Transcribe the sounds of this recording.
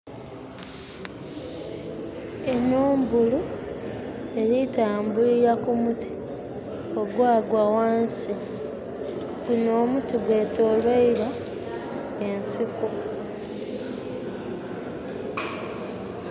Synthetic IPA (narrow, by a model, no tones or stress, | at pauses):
enuːmbulu | e̞ɾitaːmbuɾiɾakumutʰi̥ | o̞ɡwaːɡwawaːnsi | binoːmutiɡweːtoːlweiɾa | ensiku